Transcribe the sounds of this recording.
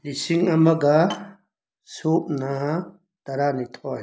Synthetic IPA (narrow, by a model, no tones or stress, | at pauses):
lisiŋɐmɐɡa | soːpna | t̪ɐɾaːnit̪ʰɔːɦ